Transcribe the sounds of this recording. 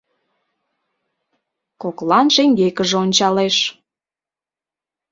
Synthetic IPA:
koklɑnʃeŋɡekəʒeonʲt͡ɕɑleʃ

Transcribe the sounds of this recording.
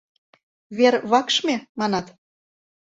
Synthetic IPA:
βerβɑkʃmʲemɑnɑt̪

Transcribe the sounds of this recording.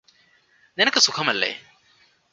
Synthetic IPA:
nenɐkɐsukʰɐmɐlːɐ̰j̰

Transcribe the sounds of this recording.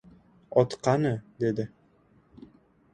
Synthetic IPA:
ɒt̪qɑnɤd̪ed̪ɪ

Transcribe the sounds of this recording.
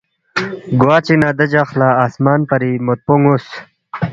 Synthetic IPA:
ɡwaːt͡ɕinaːd̪ɐd͡ʑaxlaːaːsmaːnpɐɾimot̪̚puŋus

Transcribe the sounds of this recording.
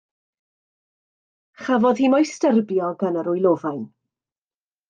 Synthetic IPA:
χavɔð̥himɔjstərbjɔɡənəɾʊjlˠoːvajn

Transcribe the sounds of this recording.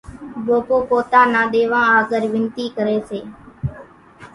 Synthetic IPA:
ɓoːkoːpoːt̪ãːnaːɗeːʋãːaːɡəɾʋɪnt̪iːkəɾeːseː

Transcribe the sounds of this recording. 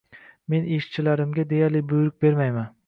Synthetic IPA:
me̞neʃt͡ʃʰɪlaɾɪmɡʲad̪e̞jaɾlɪbʊjɾɪk̚ʲbe̞ɾmajman

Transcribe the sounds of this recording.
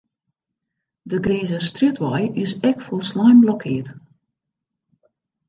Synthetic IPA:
dəɡɾiːzəstritʋɔjɪsɛkfolˠslajmblɔkʰɪət

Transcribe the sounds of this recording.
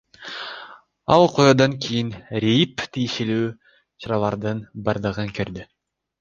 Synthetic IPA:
ɑlˠqʰojɑd̪ɑŋkʲʰijinɾʲejipt̪ʰijʃelyː | t͡ʃʰɑɾɑlˠɑɾd̪ɯnbɑɾd̪ɯʁɯŋkøɾd̪y

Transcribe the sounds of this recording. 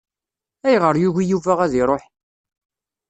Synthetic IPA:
æjʁəɾjuʝijuvæʁæðiɾˤoħ

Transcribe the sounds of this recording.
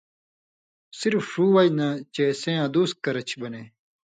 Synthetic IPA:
siɾfuːwɐinɐt͡ɕesẽjãːd̪uːs̚kɐɾɐt͡ɕʰbɐneː

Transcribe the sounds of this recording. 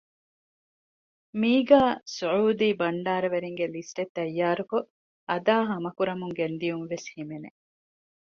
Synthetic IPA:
miːɡaːsuʕuːd̪iːbɐɳɖaːɾɐʋeɾiŋɡelisʈet̪ːɐjːaːɾuko | ɐd̪aːɦɐmɐkuɾɐmuŋɡend̪ijuŋʋeshimenḛ

